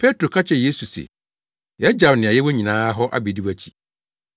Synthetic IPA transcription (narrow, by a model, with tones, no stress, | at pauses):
pʰe˦tɾo˨kʰa˦t͡ɕʰɛ˨je˦su˨sḛ˨ | jɛ˦d͡ʑa˨wnɪ̃˨a˨jɛ˦wɔ˦ɲĩ˨nãː˦ɦɔ˦ʔa̰˦bi˨di˦wæ˨t͡ɕʰi̥˨